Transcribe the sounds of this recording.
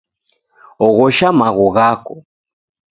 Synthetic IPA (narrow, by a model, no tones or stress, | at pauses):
ɔɣɔʃamaɣɔɣakɔ